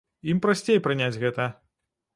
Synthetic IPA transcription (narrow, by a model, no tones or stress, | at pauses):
impɾasʲt͡sʲejpɾɨnʲad͡zʲɣɛt̪ɐ